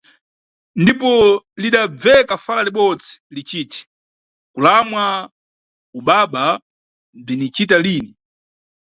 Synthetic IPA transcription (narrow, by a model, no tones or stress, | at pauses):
ndipɔliɗab͡vɛkafalaliɓɔd͡zi̥lit͡ʃiːti̥ | kulamwa | uɓaɓa | b͡ʐinit͡ʃitaliːni